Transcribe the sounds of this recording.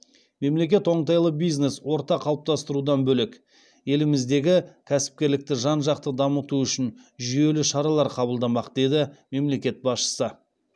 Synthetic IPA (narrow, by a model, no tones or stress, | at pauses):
me̞mle̞k̬ʲe̞t̪o̞ɴt̪ɑjlˠəbijzne̞swo̞ɾt̪ɑqʰɑlˠəp̚t̪ɑst̪əɾud̪ɑnbɵlek | je̞lɪmɪzd̪e̞ɡʲɪkʲʰæsɪ̥p̚kʲe̞ɾlɪk̚t̪ɪʒɑnʒɑqt̪əd̪ɑmət̪uʏʃɪnʒʏje̞lɪʃɑɾɑlˠɑɾqʰɑbəlˠd̪ɑmɑqd̪̥ed̪ɪme̞mle̞kʲe̞t̪̚bɑsʃə̥sə